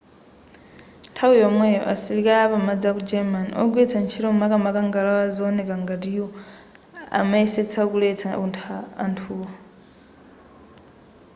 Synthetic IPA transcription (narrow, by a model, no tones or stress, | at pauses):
ntʰawiamwɛ̰ʔa̰silikaapamad͡zakud͡ʒɛman̰ɔ̰ɡwet͡sʰant͡ʃʰiɾomakamakaŋɡalaazaonekaŋɡatijo | a̰maiset͡sʰakulet͡sʰauntʰa̰ːntʰuːa